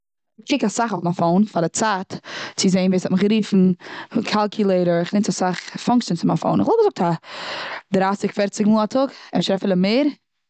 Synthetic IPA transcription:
ɪkʰɪkasaχoʊfmafoʊnfadɪt͡saːtt͡sɪzeɪnviːsɔtmɪχɡɾiːfn̩kʰalˠkʰjʊlˠeɪɾəɾɪχnɪnt͡sasaχfɔŋkt͡ʃjənsɪmafo̰ʊnɪχvɔlɡəzʊk̚tʰa | dɾastɪkfɛɾt͡sɪɡmuːlˠatʰʊɡɛnʃɾɛfələmeːɾ

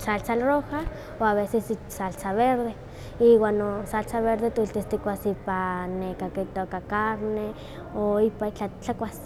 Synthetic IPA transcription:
salt͡salroha | oaβesesit͡ʃsalt͡saβeɾðe | iwaːnosalt͡saβeɾðet̪uilt̪ist̪ikʷasipanekaket̪okakaɾne | oipait͡ɬat͡ɬakʷas

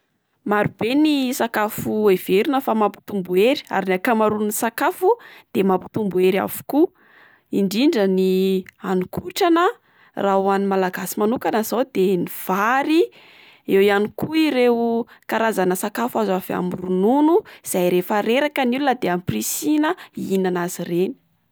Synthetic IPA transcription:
maɾub̥enisakafueveɾinəfamapi̥t̪umbueɾi̥a̰ɾinakamaɾunisakafud̪̥emampi̥t̪umbueɾa̰vu̥ku | iɳɖ͡ʐiɳɖ͡ʐənianikʰuʈ͡ʂanə | raɦwanimalaɡasimanukanaz̥awd̪eniv̥aɾi | ewijanikuiɾewkaɾazanəsakafazava̰murununuiz̥ajɾefəɾeɾakənilunəd̪eamprisinəinanazireni̥

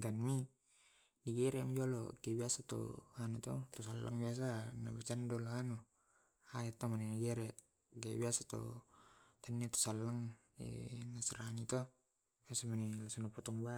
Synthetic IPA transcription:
ɡanmi | diɡɛɾɛŋd͡ʒɔlɔ̰kɛbiasat̪ɔ̰anut̪ɔt̪ɔsalːa̰ŋbias̬anabat͡ʃandɔlɔanɔ | ajat̪ɔmaninaɡɛɾɛ | ɡebiasat̪ɔ̰ | t̪anːiat̪ɔ̥salːaŋ | ɛ̰nasɛɾanit̪ɔ | asamanilasunɔpɔt̪ɔŋba

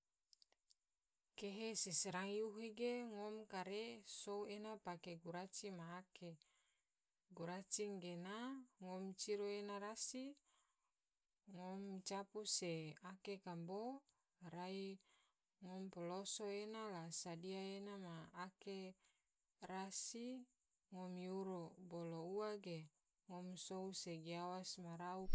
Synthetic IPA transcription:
keɦesisəɾaŋjuɦeɡeŋɔmkaɾesouenapakeɡuɾat͡ʃimaːke | ɡuɾat͡ʃiŋɡenaŋɔmt͡ʃiɾoenaɾasi | ŋɔmt͡ʃapuseakekambo | ɾai | ŋɔmpɔlosoenalasadiaenamaːke | rasi | ŋɔmiuɾobolouaɡe | ŋɔmsouseɡiawasmaɾau

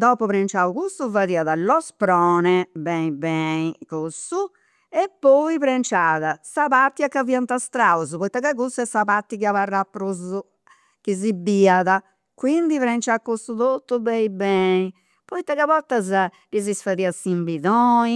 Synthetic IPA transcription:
d̪ɔːpɔpɾɛnt͡ʃaːukust̪uvaðiːaðalɔspɾɔːnɛbɛibɛikosu | ɛpːɔipɾɛnt͡ʃaːðasapat̪ːjakːaviant̪ast̪ɾauzupɔit̪ːakaɣusuɛsːapat̪ːikiavarːapːɾozu | k̟izibiaða | kwind̪ipɾɛnt͡ʃakːost̪ut̪ot̪ːubɛibɛːi | pɔit̪ːakaβɔt̪ːaza | ɾizisfaðiːasimbiðɔːi

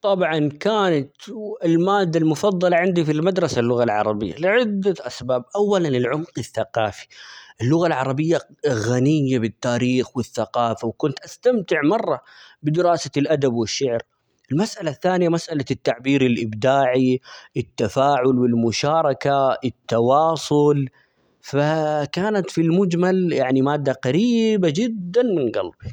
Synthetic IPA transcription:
t̪ˤɑbʕɑnkaːnat̪ɪlmaːd̪ːalmʊfɑðˤːɑlɑʕɪnd̪ifilmad̪ɾˤɑsalːʊɣalʕɑ̰ɾˤɑbɪjːa̰lɪʕɪd̪ːaʔasbaːb̚ʔawːalanɪlʕʊmqɪθːaqɑːfi̥ʔɪlːʊɣalʕɑɾˤɑbɪjːaɣanɪjːabɪt̪ːaːɾiːxwɪθːaqɑːfawkʊnt̪ʔast̪amt̪ɪʕmɑrˤːɑbɪd̪ɪɾɑːsalʔad̪abwɪʃːɪʕɾ | ɪlmasʔalaθːaːnɪjamasʔalat̪ːaʕbiːɾɪlʔɪbd̪aːʕiʔɪt̪ːafaːʕʊlwɪlmʊʃɑːɾˤɑkaɪt̪ːɑwɑːsˤʊl | fakaːnat̪filmʊd͡ʒmaljaʕnimaːd̪ːaqɑɾiːbad͡ʒɪd̪ːanmɪnɡɑ̰lbi

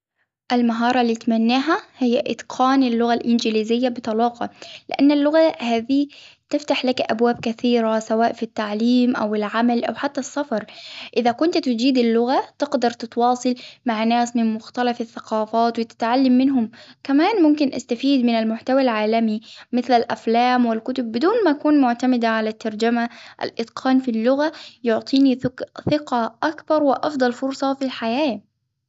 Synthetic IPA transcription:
ʔalmaɦɑːɾˤɑlːiːt̪manːaːɦahɪjːaʔɪ̰t̪qʰɑːnɪlːʊɣalʔɪnd͡ʒɪliːzɪjːabɨt̪ˤɑlɑːqɑ̰lɪʔanːalːʊɣahaːðit̪ɪft̪aħlakʔabwaːb̚kaθiːɾasawaːʔfit̪ːaʕliːmʔawɪlʕamalʔawħat̪ːasːɑfɑɾˤʔɪðakʊnt̪t̪ɪd͡ʒiːd̪ɪlːʊɣat̪ɪɡd̪ɑɾˤt̪ɪt̪wɑːsˤɑlmaʕnaːsmɪnmʊxt̪alafaθːaqɑːfaːt̪wɪt̪ɪ̥t̪ʕalːamːɪnɦʊmkamaːnmʊmkɪnʔa̰st̪afiːd̪mɪnalmʊħt̪awalʕaːlamimɪθlalʔa̰flaːmwɪlkʊt̪ʊb̚ːɪd̪uːnmaʔkuːnmʊʕt̪amɪd̪aʕalat̪ːɑɾˤd͡ʒamaʔa̰lʔɪt̪qʰɑːnfilːʊɣajʊʕt̪ˤiːniθɪqɑʔakbɑɾˤwɪʔɑfd̪ˤɑlfʊɾsˤɑfilħajaː

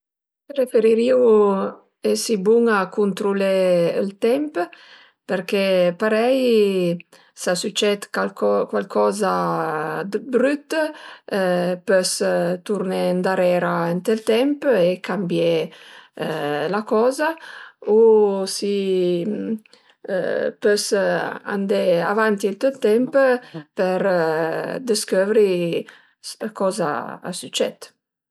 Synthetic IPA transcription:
ɾefeɾiɾiw | ɛsibuŋakunt̪ɾulɛlt̪ɛmp | peɾkepaɾɛj | sasut͡ʃɛt̪kalkɔkwalkʰɔːza | d̪bɾyt̪ | pøst̪uɾnend̪aɾɛːɾaɛnt̪əlt̪ɛmpekʰambje | lakɔːzausi | pøsa̰nd̪ea̰vant̪ilt̪əlt̪ɛmppəɾ | d̪əskøvɾi | kɔːza̰a̰syt͡ʃɛ̰t̪

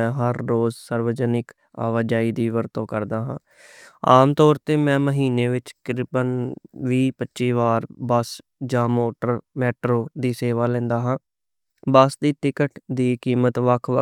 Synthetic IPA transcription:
ɛ̃ːɦəɾːoːzsəɾʋəd͡ʒənɪk | a̰ːʋəd͡ʒaːiːd̪iːʋəɾt̪õːkəɾd̪aːɦãː | aːmt̪ɔːɾt̪eːmɛ̃ːməɦiːneːʋɪt͡ʃkɪɾɪpənʋiːpətːʃiːʋaːɾbəsd͡ʒãːmoːʈəɾmɛːʈɾoːd̪iːseːʋaːlɛ̃ːnd̪aːɦãː | bəsd̪iːt̪ɪkəʈd̪iːkiːmət̪ʋəkʰʋə

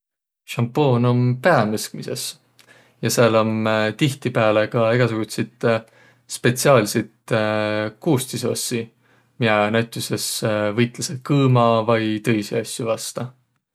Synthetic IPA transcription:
ʃɑmpo̞ːno̞mpeɑmɯsk̚mise̞s | jɑseelomt̪iht̪ipæːlekɑeɡ̥ɑsuɡ̥ut̪set̪ | spe̞t̪siɑːlset̪ | kuːst̪iso̞̰sʲːi | miɑnæwt̪ʲˑuse̞svɤjt̪ˑlɑsekɯːmɑvɑjt̪ɤ̞jseɑsʲːjuvɑst̪ɑ

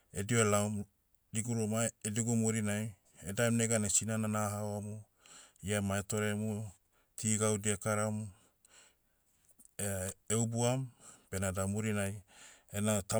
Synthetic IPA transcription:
ḛdioelawm | diɡuɾomaediɡumuɾinaj | edaemneɡanasinananaɦawamu | iamaeto̞ɾe̞mu | tʰiɡawdiakaɾam | eubuampe̞nadamuɾinajenata

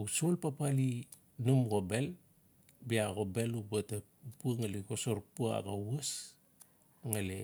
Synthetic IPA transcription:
usolpapali | numɡobe̞l | biaɡobe̞lubata | puaŋaliɡosoɾpuaa̰bawas | ŋale

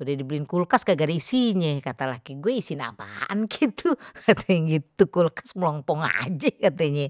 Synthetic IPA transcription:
udɛdibilɪnkulkaskaɡaɾisiɲɛkat̪alahɡiɡuɛisina̰pa̰ankit̪ʰukʰat̪aɲɡit̪ukulkḁsməlɔmpɔŋa̰d͡ʒɛkat̪aɲɛ

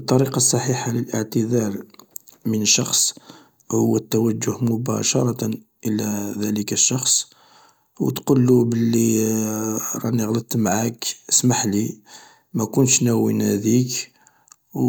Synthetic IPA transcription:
bət̪ˤːɑɾiqɑsˤːɑħiħaləlʔəʕt̪əd̪ɑɾˤ | mənəʃːɑxsˤ | hʊwːæt̪ːæwæd͡ʒːʊhmʊbæ̰ʃɑɾˤɑt̪ | ʔəlæðæləkəʃːɑxsˤ | wt̪qulːubəlːi | ɾˤɑ̰nəɣlət̪mʕakəsmaħli | mækʊntʃnæwind̪ik | w

